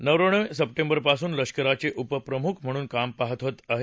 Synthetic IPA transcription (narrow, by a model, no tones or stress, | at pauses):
nəʋɾəɳ̃əʋsəp̚ʈembəɾpasuːnləʂkəɾat͡seʔupəpɾəmukʰm̤əɽ̃uːnkampaɦət̪ɦot̪aɦe